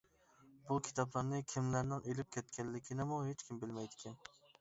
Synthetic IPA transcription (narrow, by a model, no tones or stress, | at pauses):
bukʲʰi̥t̪ʰɑplˠɑɾnɨkʲʰimlæɾnɪŋelɪp̚kʲʰɛt̪kʲɛlːɪkʲʰinɪmuɦet͡ʃkʲimbɪlmɛjd̪ɪ̥kʲʰɛn